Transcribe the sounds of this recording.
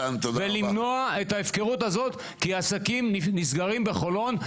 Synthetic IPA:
nt̪od̪velimno̞aetaefke̞ʁutazo̞t̪ | kiaːsakimnisɡaʁimbeχo̞lo̞n

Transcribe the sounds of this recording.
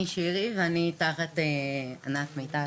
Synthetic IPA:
iʃiʁiveanitaχat̪ea̰nakmejt̪a

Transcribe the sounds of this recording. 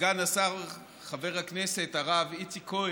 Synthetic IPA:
anasaʁ | χave̞ʁhaknese̞t̪aʁavit͡sikʰo

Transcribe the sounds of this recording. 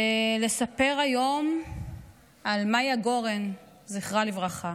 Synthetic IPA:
ele̞sape̞ʁajo̞m | almajaɡo̞ʁen | ziχʁalivʁaχa

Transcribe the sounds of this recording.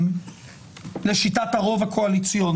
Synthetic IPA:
m | le̞ʃitathaʁo̞vhakʰoalit͡sjon

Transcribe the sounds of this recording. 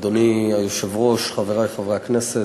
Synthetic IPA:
d̪oniajoʃɛvʁoʃχaveʁafavʁeaknɛse

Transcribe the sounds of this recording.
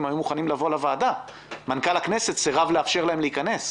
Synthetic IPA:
mhajumuχanimlavo̞lavaːda | mankalakne̞se̞t̪z̥eʁavleafʃeʁlae̞mleikane̞s

